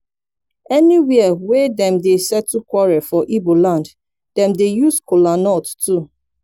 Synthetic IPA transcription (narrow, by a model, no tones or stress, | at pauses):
ɛniwɛəwɛdɛ̃mdesɛtːukwɔɹɛfɔʔibolãnd | dɛ̃mdejuskolanɔttu